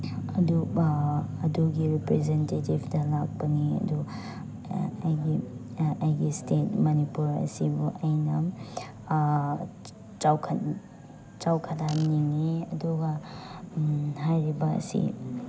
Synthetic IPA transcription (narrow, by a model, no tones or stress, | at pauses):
ɐdu | ɐduɡiɾipɾezentetibdɐlak̚pɐniɐ̰du | ɐjɡiɐjɡistet̚mɐnipuɾɐ̰sibuʔɐjnɐ | t͡ʃawkʰ | t͡ʃawkʰɐdamniŋiɐduɡɐ | ɦajɾibɐɐ̰sḭ